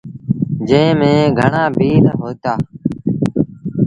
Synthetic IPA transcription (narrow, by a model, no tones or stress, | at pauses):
d͡ʒẽːmẽːɡʱəɳaːbʱiːɾɦoːt̪aː